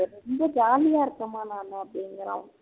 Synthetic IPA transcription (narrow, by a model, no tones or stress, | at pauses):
ɾɔmbɐd͡ʒaːlɪjaːɪɾɯkːɐmaːnaːnɐɐpːɐɽɪŋɡɐɾã̰ː